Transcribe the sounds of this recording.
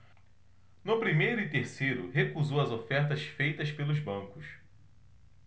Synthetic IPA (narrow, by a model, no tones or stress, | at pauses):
nʊpɾimejɾʊɪt̪eɾsejɾʊhekuzowɐzofɛɾt̪ɐsfejt̪ɐspelʊzbɐ̃kʊs